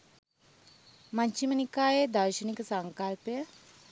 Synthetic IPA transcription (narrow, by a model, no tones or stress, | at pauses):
maɲt͡ʃimənikaːjed̪əɾʃəniksəŋkalpjə